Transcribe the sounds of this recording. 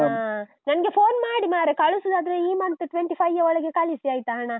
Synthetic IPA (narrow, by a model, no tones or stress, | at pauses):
a | nɐnɐɡepʰoːnmaːɽimaːɾekɐɭusud̪aːd̪ɾeiːmɐnt̪ɨʈʋeɳʈipʰɐjɐɔɭɐɡekaːlisiaːjit̪aːɐɳa